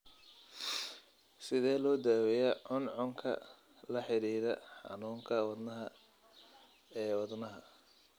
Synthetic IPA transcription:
sɪðɛːlɔːd̪aːwɛjɛʕʊnʕʊŋkʰɐ̰ | lɐħɪɾiːɾɐ̰ħɑ̰nuːŋkʰɐwɑd̪nɐɦɐ | ɛːwɑd̪nɐɦɐ

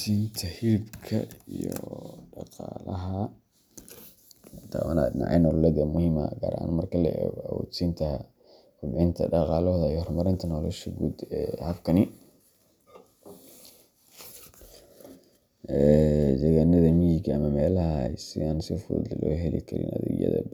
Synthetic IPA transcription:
siːnt̪ʰɐhɪɾbkʰɐijɔ̰ɖɑqɑːlɐɦɐ | t̪ʰa̰ːwɐna̰d̪nɑ̰ʕɑ̰jnɔlɔlɛd̪ɐmʊhiːmɐ̰ɡa̰ːɾɐʔa̰ːnmɐrkʰɐlɛ̰awɔ̰ːd̪siːnt̪ʰɐ | kʊbħɪnt̪ʰɐ̰ɖɑqɑːlɔðɐijhɔrmɐɾɪnt̪ʰɐnɔlɔ̰ʃɐɡuːd̪ɛhɐbkʰɐnɪ | ʔɛd͡ʒɐɣanːɐðɐmijɪɡʰɐɐmɐmɛːlɐɦɐsɪaːnsɔfɔ̰ːd̪lɔːɦɛlḭkʰɐɾɪ̰nʔɐðɛ̰ɡ̰jɐ̰ðɐ̰

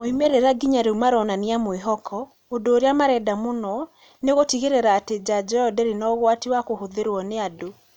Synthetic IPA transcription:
oimeɾeɾaɡiɲaɾeumaɾɔnaniamoeɦɔkʰɔ | ondoːɾeamaɾɛdamonɔ | neɣotiɣeɾeɾaːted͡ʑad͡ʒɔɔdɛɾinɔɣwatiwakohoðeɾwɔneado

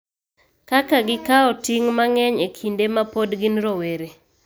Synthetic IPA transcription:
kakaɡɪkaɔtiŋmaŋɛɲekʰindemapodɡɪnɾoweɾe

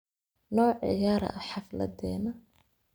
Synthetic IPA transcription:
nɔːʕɪ̰jaːɾɐ̰ɐħɑflɐ̰d̪ɛːnɐ

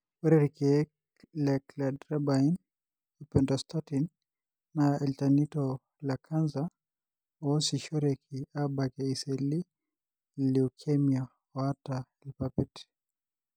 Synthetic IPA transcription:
wɛɾɛɾikɛ | lɛkladɾɛbain | ipɛntɔstatinː | aɛltanitɔ | lakʰanza | ɔsiʃɔɾɛkʰiabakɛisɛli | liukʰɛmia | ɔataɛlipapɛti̥

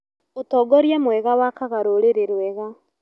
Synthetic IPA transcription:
otɔːɡɔɾjamwɛɣawakaɣaɾoɾeɾeɾwɛɣa

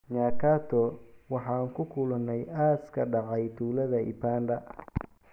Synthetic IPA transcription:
ɲaːkʰaːt̪ʰɔwɑħɑːŋkʰʊkʰʊlɐnːɛjaːskʰɐɖɑʕɑjt̪ʰuːlɐðɐɪ̰pʰaːnd̪ɐ

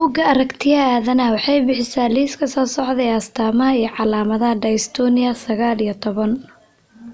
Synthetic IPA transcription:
buːɡɐɐɾɐkt̪ʰɪjɐaːðɐnɐwɑħɑjbɪħɪsaːliːskʰɐsɔːsɔʕðɛjɐst̪ʰaːmɐɦɐijʕɑlaːmɐðɐɦɐɖɐjst̪ʰɔːnɪjɐsɐɣaːlijɔt̪ʰɔβɐn

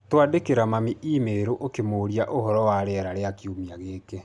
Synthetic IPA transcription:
twaːdekeɾamamiʔimeɾoʔokemoːɾiaʔohɔɾɔwaɾeaɾaɾeakjomiaɣeːke

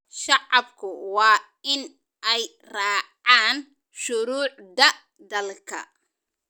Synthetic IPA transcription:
ʃɑʕɑbkʰʊwɑː | ɪn | ʔɛj | rɑːʕaːn | ʃʊɾuːʕd̪ɐ | d̪ɐlkʰɐ̰

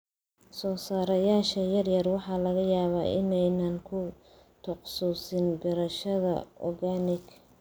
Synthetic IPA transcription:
sɔːsaːɾɐjaːʃɐjɐrjɐrwɑħɑːlɐɣɐjaːβa̰ːʔɪnɛjnɐŋkʰʊ | t̪ʰɔqsuːsɪnɡɐɾɐʃɐðɐ̰ɔrɣaːnɪɡ

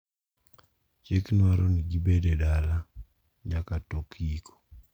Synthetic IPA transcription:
t͡ʃekinwaɾɔnid͡ʒibɛdɛdala | d͡ʒakatokʰiːkɔ̥

